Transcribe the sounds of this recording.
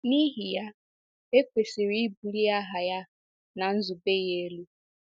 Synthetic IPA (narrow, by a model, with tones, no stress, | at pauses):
ni˦ɦi˨ja˦ | e˦kʷe˨si˨ɾi˦i˦bu˨li˦a˦ɦa˨ja˦ | na˨n̩˦zu˨be˦je˦e˦lu˦